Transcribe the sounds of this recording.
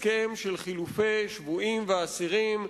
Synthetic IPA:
kemʃelχilufejʃvuimveasiʁim

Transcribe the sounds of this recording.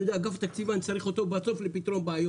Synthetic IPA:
od̪eaɡaft̪akt͡sivant͡saʁiχo̞t̪o̞beat͡so̞flepit̪ʁo̞nbeajo

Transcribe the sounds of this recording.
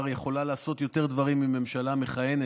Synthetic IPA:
ʁje̞χo̞lalaːso̞t̪jo̞t̪e̞ʁd̪vaʁimime̞mʃalameχaje̞ne

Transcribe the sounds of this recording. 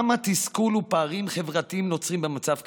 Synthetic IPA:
mat̪iskulupaːʁimχe̞vʁat̪iimno̞t͡sʁimbemat͡savk

